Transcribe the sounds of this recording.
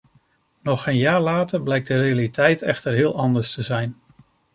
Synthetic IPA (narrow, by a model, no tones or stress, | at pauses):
nɔχejnjaːɹlaːtəɹblɛjk̚dərejalitɛjtɛ̰χtəɹɦɪːlˠɑndəɹstəzɛjn